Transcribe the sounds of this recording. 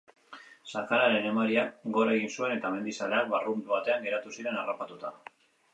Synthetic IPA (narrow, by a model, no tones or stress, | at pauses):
sakaɾaɾe̞ne̞maɾiak̚ɡo̞ɾae̞ɣinsue̞ne̞t̪ame̞nd̪isaleak̚barumβat̪e̞aŋɡe̞ɾat̪usiɾe̞narapat̪ut̪a